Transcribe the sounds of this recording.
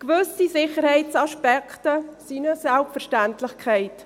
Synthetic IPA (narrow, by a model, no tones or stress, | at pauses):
kvʏsisɪχəɾhɛɪt͡saʃpɛkʰtəsinəsɛlpfəɾʃtæntlɪχkʰɛɪt